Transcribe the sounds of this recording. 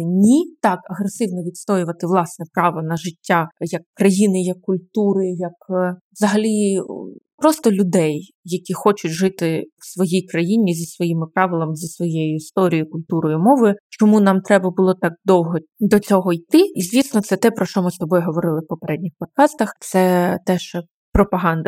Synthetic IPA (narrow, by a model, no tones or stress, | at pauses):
nʲit̪ɑkɐɦɾesɪwnɔʋʲit̪st̪ɔjʊʋɐt̪ɪʋlˠɑsnɛpɾɑʋɔnɐʒɪtʲːajɐkːɾɐjinɪjɐkːʊlʲt̪uɾɪjɐkʋzɐɦɐlʲi | pɾɔst̪ɔlʲʊd̪ɛj | jɐkʲixɔt͡ʃʊtʲʒɪt̪ɪwsʋɔjijkɾɐjinʲizʲɐsʋɔjimɪpɾɑʋɪlˠɐmzʲɐsʋɔjejʊist̪ɔɾʲijʊkʊlʲt̪uɾɔjʊmɔʋɪt͡ʃɔmunɑmt̪ɾɛbɐbʊlˠɔt̪ɑk̚d̪ɔwɦɔd̪ɔt͡sʲɔɦɔjt̪ɪizʲʋʲisnɔt̪sɛt̪ɛpɾɔʃt͡ʃɔmɪst̪ɔbɔjɦɔʋɔɾɪlˠɪwpɔpeɾɛdʲnʲixpɔt̪̚kɑst̪ɐxt̪sɛt̪ɛʃ | pɾɔpɐɦɑnd̪ɐ